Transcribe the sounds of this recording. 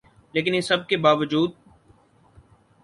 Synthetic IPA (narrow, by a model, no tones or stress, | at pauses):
leːk̬ɪnesɐb̚kebaːʋəd͡ʒuːd̪̚